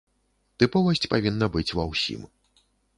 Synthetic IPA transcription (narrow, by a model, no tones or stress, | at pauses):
t̪ɨpɔvɐsʲt͡sʲpavʲinːɐbɨt͡sʲvɐwsʲḭm